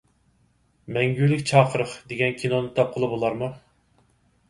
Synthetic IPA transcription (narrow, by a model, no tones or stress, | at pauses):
mɛŋɡʲylɪkʲt͡ʃʰɑːqʰəɾəχd̪eɡʲɛnkʲʰinonɨt̪ʰɑp̚qʰəlˠɨbolˠɑɾmu